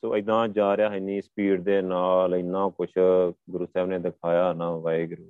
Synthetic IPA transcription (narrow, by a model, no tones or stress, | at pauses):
soːəd̪ãːd͡ʒaːɾjaːɦəniːspiːʈd̪eːnaːlɪnːãːkʊt͡ʃʰɡʊɾuːsɛːbnẽːd̪ɪkʰaːjaːɦnaːʋaːeːɡʊɾuː